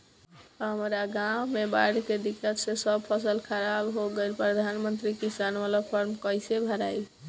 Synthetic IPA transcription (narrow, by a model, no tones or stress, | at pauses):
ɦəmɾaɡãwmeba̰ɽked̪ikːət̪sẽsəbpʰəsəlkʰəɾabɦoɡelpɾəd̪ʱanmənt̪ɾikisanʋalapʰəɾmkəjsebʱəɾajl